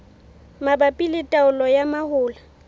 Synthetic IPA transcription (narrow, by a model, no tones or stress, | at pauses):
mabapʼilɪtʼaʊlɔjamahʊːla